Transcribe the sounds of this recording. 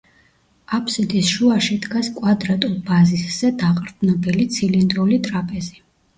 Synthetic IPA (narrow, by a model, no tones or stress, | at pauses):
apʰsɛd̪isʃuaʃid̪ɡaskʼwad̪ɾat̪ʼulˠbazisz̥ɛd̪aqʼɾd̪nɔbɛlit̪sʰilind̪ɾulit̪ʼɾapʼɛzi